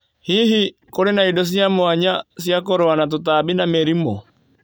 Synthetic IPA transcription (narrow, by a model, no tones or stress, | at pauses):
hiːɦi | koɾenaidɔs̬jamoaɲasjakoɾoanat̬ot̬abinamɛɾimɔ